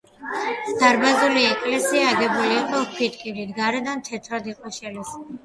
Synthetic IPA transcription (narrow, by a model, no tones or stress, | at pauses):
d̪̥aɾbazuliɛkʼlɛsiaːɡɛbuliːqʼɔpʰit̪ʼkʼiɾid̪ɡaɾɛd̪amt̪ʰɛt̪ʰɾɔd̪iqʼɔʃɛlis